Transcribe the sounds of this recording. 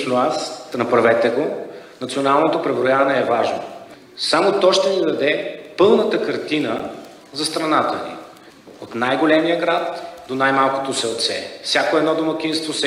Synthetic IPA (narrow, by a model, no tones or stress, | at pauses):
snoasnɐpɾɐvɛt̪ɛɡonɐt̪sionalˠnot̪opɾɛvɾojavɐnɛːvaʒno̰ | samot̪ɔʃt̪ɛnid̪ɐd̪ɛpɤlˠnət̪əkɐɾt̪inə | zɐst̪ɾɐnat̪ənḭ | ot̪najɡolɛmijəɡɾat̪d̪onajmalˠko̥t̪osɛlˠt̪sɛ̰fsʲjakoɛd̪nɔd̪omɐk̟inst̪vosɛ